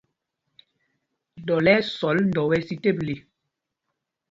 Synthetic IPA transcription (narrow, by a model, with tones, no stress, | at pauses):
dɔ˨lɛ˦sɔ˨˦ln̩˦dɔ˨wɛ˦si˦te˦˨p̚le˨